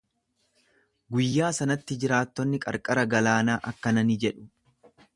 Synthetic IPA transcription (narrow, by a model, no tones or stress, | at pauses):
ɡʊjːaːsɐnɐt̪ːɪd͡ʒɪɾaːt̪ːɔnːɪkʼɐ̰ɾkʼɐɾɐɡɐlaːnaːʔɐkːɐnɐnid͡ʒɛᶑʊ̥